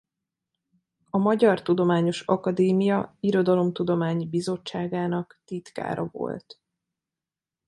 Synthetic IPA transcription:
ɒmɒɟɒrt̪ud̪o̞maːɲo̞ʃɒkɒd̪eːmijɒiɾo̞d̪ɒlo̞mt̪ud̪o̞maːɲibizo̞t͡ʃːaːɡaːnɒkt̪it̪ka̰ːɾɒ̰vo̞̰lt̪

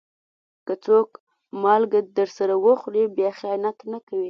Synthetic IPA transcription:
kət͡sok | mɑlɡad̪əɾsaɾawəxɽibjɑxanat̪nakawi

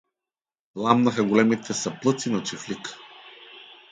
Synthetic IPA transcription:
lˠamnəxəɡolɛmit̪ʰɛsɐplˠɤt̪sinɐt͡ʃiflik

